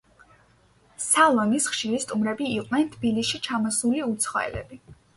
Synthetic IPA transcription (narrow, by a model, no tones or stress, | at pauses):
salˠɔnisχʃiɾist̪ʼumɾɛbiːqʼvnɛnt̪ʰb̥ilisʃit͡ʃʰamɔsuliut̪sʰχɔ̰ɛ̰lɛ̰bi